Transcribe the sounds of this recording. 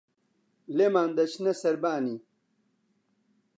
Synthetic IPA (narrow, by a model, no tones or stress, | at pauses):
lemaːnd̪ɐt͡ɕnɐsɐɾbaːni